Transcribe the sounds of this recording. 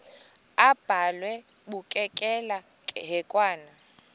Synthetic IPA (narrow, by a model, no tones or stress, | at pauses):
ab̥ʱalwɛ | ɓukʼɛkʼɛla | ɦɛkʼwaːna